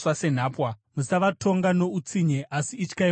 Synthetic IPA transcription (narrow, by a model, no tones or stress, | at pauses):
wase̞n̤aːpwamusaʋatʰo̞ŋɡano̞ut͡siɲeʔasiːt͡ʃkai